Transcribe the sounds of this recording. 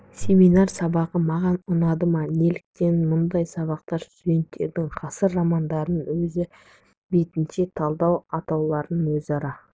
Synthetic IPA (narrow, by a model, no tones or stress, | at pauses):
sʲe̞minɑɾsɑbɑʁəmɑʁɑnʊnɑd̪əmɑne̞lɪk̚t̪e̞nmʊnd̪ɑjsɑβɑqt̪ɑɾst̪ud̪e̞nt̪ːe̞̰ɾd̪ɪŋqʰɑsəɾːɑmɑnd̪ɑɾənwɵzɪ | be̞t̪ɪnʃe̞t̪ʰɑlˠd̪ɑwɑt̪ɑwlˠɑɾənwɵzɑɾɑ